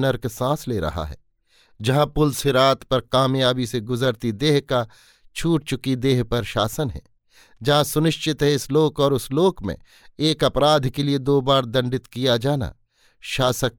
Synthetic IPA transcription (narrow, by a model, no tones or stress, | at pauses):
nəɾksãːsleːɾɐ̰ɦa̰ɦɛ̰ː | d͡ʒɐɦãpʊlseɾaːt̪pɐɾkaːmjaːbiseɡʊzəɾt̪id̪eːɦka | t͡ʃʰuːʈ̚t͡ʃʊkid̪eːɦpɐɾʃaːsənɦɛ̰ː | d͡ʒɐɦãsʊnɪʃt͡ʃɪt̪ɦɛɪsloːkɔːɾʊsloːkmḛ̃ | eːkɐpɾaːd̪ʱkelied̪oːbaːɾd̪ɐ̃ɳɖɪt̪kijad͡ʒaːna̰ | ʃaːsək̚